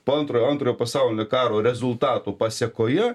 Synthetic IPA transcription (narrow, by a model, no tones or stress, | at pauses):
poːɐnt̪ɾoːjoɐnt̪ɾoːjoːpɐsɑˑʊlʲɪnʲoːkɑːɾoːɾʲɛzʊlˠt̪ɑːt̪uːpɑːsʲɛkoːjɛ